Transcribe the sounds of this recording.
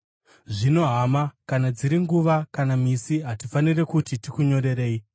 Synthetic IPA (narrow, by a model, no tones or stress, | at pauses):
ʐino̞ɦamakanad͡ziɾiŋɡuʋakanamisiɦatifanire̞kutitikuɲo̞ɾe̞ɾe̞ːi